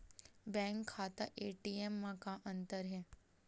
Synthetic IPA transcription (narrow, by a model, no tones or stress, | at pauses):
bɛ̃ŋkʰːaːt̪a̰ʔeʈiemːãkãʔənt̪əɾɦɛ